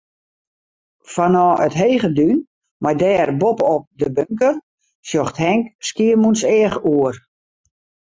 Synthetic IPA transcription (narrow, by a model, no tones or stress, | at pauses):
fanɔːətɦejɣədyn | majdɛːrbopɔp̚dəbøŋkər | sjoxthɛŋkskiəmunsɛəχuər